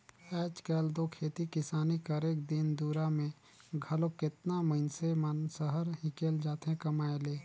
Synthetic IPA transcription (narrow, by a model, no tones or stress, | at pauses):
ɛːt͡ʃkɛːld̪oːkʰeːt̪ikɪsaːnikəɾeːk̚d̪ɪnd̪uːɾamẽ | ɡʱɐlokɪt̪naməɪnsemənsəɦəɾɦĩkeːld͡ʒaːt̪ɦɛ̃kɐmaːeleː